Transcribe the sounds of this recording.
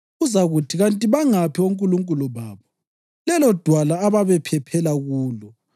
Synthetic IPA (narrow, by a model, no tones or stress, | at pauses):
ɣuzaɣutʰiɣantʼiβaŋapʰioŋkʼuluŋkʼuluβaːβɔ | lɛlɔd̥ʱwalaːβaβɛpʰɛpʰɛlaɣuːlɔ